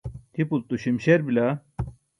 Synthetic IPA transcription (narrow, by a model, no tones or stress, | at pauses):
t̪ʰipult̪uɕimɕeɾbila